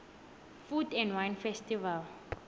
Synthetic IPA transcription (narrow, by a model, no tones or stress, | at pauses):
fudɛ̃ndwãjnfɛstival